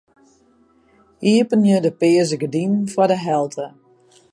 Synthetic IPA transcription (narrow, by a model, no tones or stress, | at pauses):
iəpənjədəpɪəzəɡədinfɔdəɦɛlˠtʰə